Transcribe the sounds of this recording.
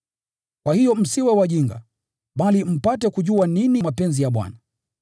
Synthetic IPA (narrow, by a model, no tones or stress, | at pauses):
kwahijɔm̩siwɛwaʄiŋɡa̰ | ɓalim̩patɛkuʄuaninimapɛnzijaɓwa̰na